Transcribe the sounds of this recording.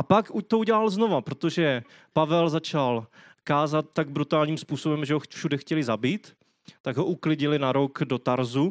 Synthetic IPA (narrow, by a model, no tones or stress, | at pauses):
ʔapakut̪ouɟɛlalzno̞vapɾot̪oʒɛ | pavɛlzat͡ʃal | kaːzat̪̚ːaɡ̚bɾut̪aːlɲiːmspuːsobɛmʒɛɦofʃudɛxcɛlɪzabiːt̪ː | aɡɦoʔuklɪɟɪlɪnaɾokdo̞t̪aɾzu